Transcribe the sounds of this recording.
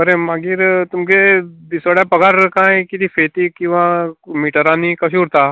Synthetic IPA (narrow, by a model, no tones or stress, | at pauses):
əɾemãɡiɾt̪umked̪isʋaɽjapəɡaɾkãːẽkit̪ʰifʰeːt̪ikĩw̃ʋãmiːʈəɾãnikəʃ̬uːɾt̪aː